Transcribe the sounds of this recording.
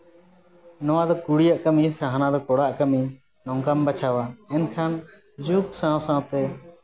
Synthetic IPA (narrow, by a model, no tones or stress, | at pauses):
nɔwãd̪ɔkuɽijaʔkəmisaɦanad̪ɔkɔɽaʔkəmi | nɔ̃ŋkambət͡ʃʰawaɛnkʰan | d͡ʒuksãsãt̪ɛ